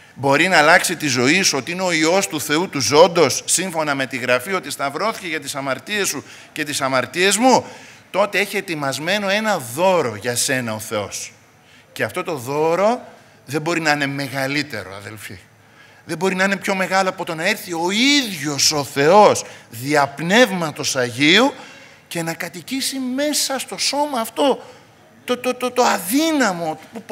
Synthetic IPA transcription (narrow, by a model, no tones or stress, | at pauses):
bo̞ɾinɐːlɐksit̪izo̞isuo̞t̪iineo̞io̞st̪uθe̞ut̪uzo̞nd̪o̞sːiɱfo̞nɐme̞t̪iɣɾɐfio̞t̪ist̪ɐvɾo̞θice̞ʝɐt̪isɐmɐɾt̪ie̞su | ce̞t̪isɐmɐɾt̪ie̞zmut̪o̞t̪e̞e̞çie̞t̪imɐzme̞no̞e̞nɐðo̞ɾo̞ʝɐse̞nɐo̞θe̞o̞s | ceɐft̪o̞t̪o̞ðo̞ɾo̞ | ðe̞mbo̞ɾinɐine̞me̞ɣɐlit̪e̞̰ɾo̞̰ɐ̰ðe̞̰lfḭ | ðe̞bo̞ɾinɐine̞pço̞me̞ɣɐloɐpot̪o̞nɐiɾθio̞iðʝo̞so̞θe̞o̞sðiɐpne̞vmɐt̪o̞sɐʝiu | ce̞nɐkɐt̪icisime̞sɐst̪o̞so̞mɐːft̪o̞ | t̪ot̪ot̪ot̪oɐðinɐmo̞upu